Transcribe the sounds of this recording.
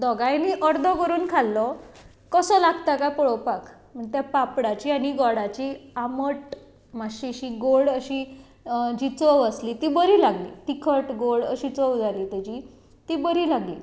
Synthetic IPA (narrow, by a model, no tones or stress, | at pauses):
d̪ɔɡajniʔəɾd̪ʱɔkəɾuːnkʰalːɔ | kəsɔlaɡt̪akajpɔɭɔpak | m̤əɳt̪japapɽat͡ɕiːaɽiɡɔɽat͡ɕiaməʈ | maɕiɕiɡoɽəɕi | d͡ʑiːt͡səʋəslit̪iːbəɾiːlaɡlḭːt̪ikʰəʈɡoɭəɕit͡səʋd͡zaliːt̪ad͡ʑi | t̪iːbəɾiːlaɡlḭː